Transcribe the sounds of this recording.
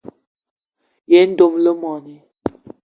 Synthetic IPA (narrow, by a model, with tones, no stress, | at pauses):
je˨˦n̩˦do˦˨mlə˦mɔ˨ni˦